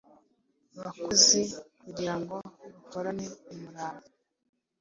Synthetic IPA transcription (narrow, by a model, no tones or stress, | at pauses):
βakuzekuɟiɾaŋɡo̞βukoɾaneumuɾaːβo